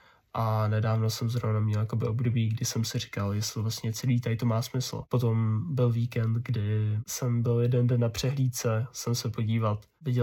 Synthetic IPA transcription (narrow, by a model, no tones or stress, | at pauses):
ʔanɛdaːvno̞sɛmzɾovnamɲɛljakobɪʔobdo̞biːɡdɪsɛmsɪrɪ̥kaljɛst̪lɪvlast̪ɲɛt͡sɛliːt̪ajt̪omaːsmɪsl̩̰po̞t̪o̞mbɪlviːkɛnt̪ɡdɪsɛmbɪljɛdɛndɛnːapr̝̥ɛɦliːt̪t͡sɛsɛmsɛpo̞ɟiːvat̪ | vɪɟɛ